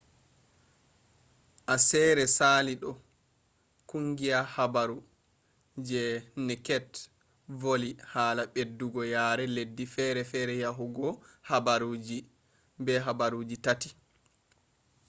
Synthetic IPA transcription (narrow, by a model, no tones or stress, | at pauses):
ʔasɛːɾɛsaliɗɔ | kuŋɡiahabaɾu | d͡ʒɛnɛkɛt | volihaːlaɓedːuɡɔjaːɾɛledːifɛɾɛfɛɾɛjaɦuɡɔhabaɾud͡ʒi | bɛɦabaɾud͡ʒitati